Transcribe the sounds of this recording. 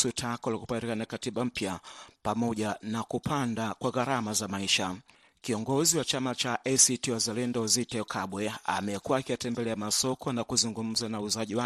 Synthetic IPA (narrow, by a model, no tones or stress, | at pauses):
sutʰakɔlaku̥paɾɛkanakatiɓam̩pjapamɔʄanakupʰandakwaɣaɾamazamaiʃa | kiɔŋɡɔziwat͡ʃamat͡ʃaʔɛsitiwazalɛndɔzitɛkʰaɓwɛa̰mɛkuwaːkiatɛmbɛlɛamasɔkʰɔnakuzuŋɡum̩zanauzaʄiwa